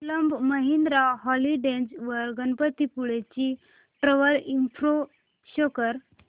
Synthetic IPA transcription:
ləmbməɦind̪ɾaɦɔliɖẽnd͡zʋəɾɡənpət̪ipuɭet͡ɕi | ʈɾəʋəɾimfɾo | ɕɔkəɾ

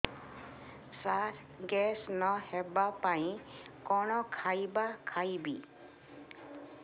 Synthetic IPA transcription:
saɾ | ɡɛsnɔhɛbapaĩkɔnɔkʰajbakʰajbḭ

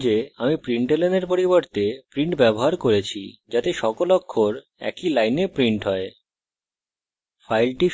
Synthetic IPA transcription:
d͡ʑeamipɾiɳʈeleneɾpoɾiboɾt̪epɾiɳʈbɛboɦaɾkoɾet͡ɕʰid͡ʑat̪eʃɔkolɔkʰːoɾ | ɛ̰kilajnepɾiɳʈɦɔe | fʰajlʈi

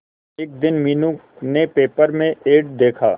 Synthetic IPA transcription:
eːk̚d̪ɪnmiːnũk | nepeːpəɾmẽʔeːɖd̪eːkʰa̰ː

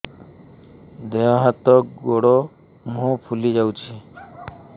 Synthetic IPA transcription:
d̪eaɦat̪ɔkɡoɽɔ | mũpʰulid͡ʒawt͡ʃʰi

